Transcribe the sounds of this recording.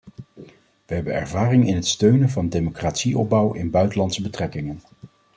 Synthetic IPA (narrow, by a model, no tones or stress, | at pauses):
ʋəɦɛbənɛ̰ɹvaːrɪŋɪnɦətstøɥnənvɑndejmokraːtsiʔɔb̚bʌwɪ̰nbœɥtəlɑntsəbətrɛkɪŋən